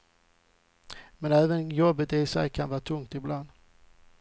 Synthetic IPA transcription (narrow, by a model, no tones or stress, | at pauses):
mɛnæːvənjɔbət̪ɪsɛ̰jkʰanvɑːt̪ʰɵŋt̪ɪbland̪